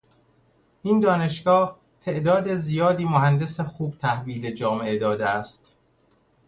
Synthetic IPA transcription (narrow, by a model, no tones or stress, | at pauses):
ʔiːnd̪ɒːne̞ʃɡɒːh | t̪ʰe̞ʔd̪ɒːd̪e̞zijɒːd̪iːmoɦænd̪e̞sexuːb̚t̪ʰæhviːled͡ʒɒːmee̞d̪ɒːd̪eæst̪